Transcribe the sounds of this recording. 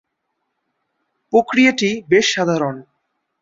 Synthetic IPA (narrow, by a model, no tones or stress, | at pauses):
pɾokɾijaʈibeʃːad̪ʱaɾon